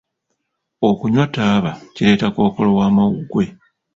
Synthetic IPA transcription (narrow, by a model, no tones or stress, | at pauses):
o̞kuɲwataːβacile̞ːtako̞ːko̞lowaːmawuɡwe̞